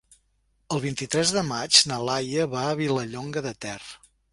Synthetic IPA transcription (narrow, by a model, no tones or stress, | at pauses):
əlˠβint̪it̪ɾɛzðəmad͡ʒnəlajəβaəβiləʎoŋɡəðət̪ɛrə